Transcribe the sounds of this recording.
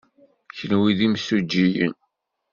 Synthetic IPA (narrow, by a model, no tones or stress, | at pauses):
çənwiðimsud͡ʒːijə̰n